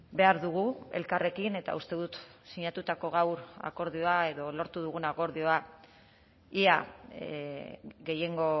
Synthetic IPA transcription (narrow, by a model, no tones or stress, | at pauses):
be̞aɾðuɣ̞ue̞̰lkare̞kine̞t̪a̰ust̪e̞ðut̪siɲat̪ut̪ako̞ɣ̞awɾa̰ko̞ɾð̞io̞ae̞ðo̞lo̞ɾt̪uðuɣunaɣo̞ɾðio̞a | ia | ɣe̞je̞ŋɡo̞